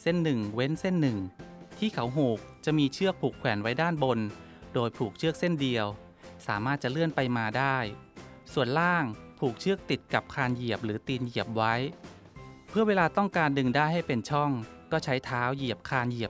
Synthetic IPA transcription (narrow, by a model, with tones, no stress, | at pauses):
se˥˩nːɯ˨˩ŋwe˦˥nse˥˩nːɯ˨˩ŋt̪ʰiː˥˩kʰa˩˦wɦuː˨˩k̚t͡ɕa˨˩ʔmiː˧t͡ɕʰɯ˥˩ək̚pʰuː˨˩kʰwɛː˩˦nwa˦˥jdaː˥˩nbo˧n | doː˧jpʰuː˨˩k̚t͡ɕʰɯ˥˩ək̚se˥˩ndi˧əw | saː˩˦maː˥˩t̪̚t͡ɕa˨˩lɯ˥˩ənpa˧jmaː˧daː˥˩jsu˨˩ənlaː˥˩ŋpʰuː˨˩k̚t͡ɕʰɯ˥˩ək̚t̪i˨˩t̪̚ka˨˩p̚kʰaː˧nji˨˩əp̚ɾɯː˩˦t̪iː˧nji˨˩əp̚wa˦˥j | pʰɯ˥˩əweː˧laː˧t̪ɔ˥˩ŋkaː˧ndɯ˧ŋdaː˥˩jɦa˥˩jpe˧nt͡ɕʰɔ˥˩ŋkɔː˥˩t͡ɕʰa˦˥jt̪ʰaː˦˥wji˨˩əp̚kʰaː˧nji˨˩əp̚